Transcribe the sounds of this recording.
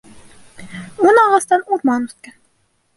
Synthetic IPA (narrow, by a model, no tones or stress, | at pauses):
onɑʁɑst̪ɑnuɾmɑnɵt̪̚kæn